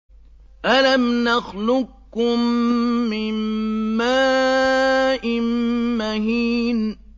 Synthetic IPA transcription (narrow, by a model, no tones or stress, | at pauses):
ʔalamnaxlʊkː | ʊmː | ɪmːaː | ʔɪnːahiːn